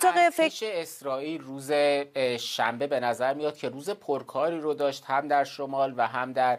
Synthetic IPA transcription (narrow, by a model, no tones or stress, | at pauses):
t̪ʰɒʁefeʃeːsɾɒːiːlruːze̞ʃæmbe̞be̞næzæɾmijɒːd̪̥̚cʰe̞ɾuːzepʰoɾkʰɒːɾiːɾod̪ɒːʃt̪hæmd̪æɾʃomɒːlvæɦæmd̪æɾ